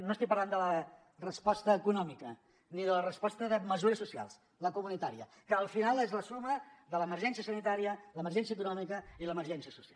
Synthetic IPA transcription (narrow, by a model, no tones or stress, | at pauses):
nost̪ikpərland̪ələ | rəspɔst̪əːkunɔmikə | niðələrəspɔst̪əðəməzuɾəsːusia̰lˠs | ləkumunit̪aɾiə | kəːlˠfinalˠezləsuməðələːməɾʒɛnsiəsənit̪aɾiələməɾrʒɛnsiəkunɔmikəiləməɾʒɛnsiəsu̥sia̰